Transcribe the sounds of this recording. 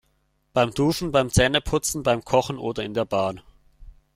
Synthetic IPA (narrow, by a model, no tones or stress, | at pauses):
b̥aɪmd̥uːʃn̩baɪmt͡sɛːnəpʰʊt͡sn̩baɪmkʰɔχn̩ʔoːdɐɪndeːɐbaːn